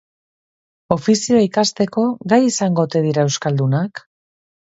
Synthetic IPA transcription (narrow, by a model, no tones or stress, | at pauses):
o̞fisioaikast̪e̞ko̞ɡajisaŋɡo̞t̪e̞ð̞iɾae̞wskald̪unak